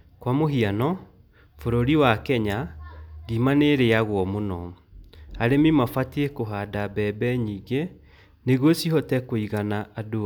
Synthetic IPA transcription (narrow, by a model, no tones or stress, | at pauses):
kwamoɦianɔ | foɾoɾiwakɛɲaɣimaneɾeaɣwɔmonɔ | aɾemimafatiekoɦadabɛbɛɲiːɡe | neɣwosihɔtɛkoiɣanaʔado